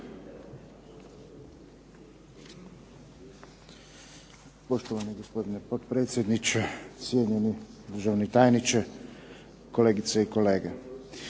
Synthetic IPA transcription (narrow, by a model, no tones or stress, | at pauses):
poʃt̪oʋaniɡospod̪inɛpot̪pɾeːt̪sʲjed̪nit͡ʃesjed̪ɲenid̪ɾ̩ʒawnit̪aːjnit͡ʃɛ | koleːɡit̪seikoleːɡe